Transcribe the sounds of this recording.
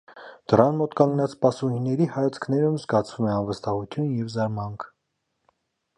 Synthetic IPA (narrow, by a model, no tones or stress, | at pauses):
d̪̥əɾɑnmɔt̪kɑŋɡnɑt͡sʰpɑsuhinːɛɾihɑjɑt͡sʰkʰnɛɾumzɡɑt͡sʰvumɛɑnvəst̪ɑhut̪ʰjunjɛvzɑɾmɑŋkʰ